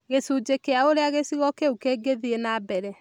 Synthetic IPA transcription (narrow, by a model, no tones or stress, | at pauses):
ɣesud͡ʒekeaoɾeaɣesiɣɔkeukeɡeðienabɛɾɛ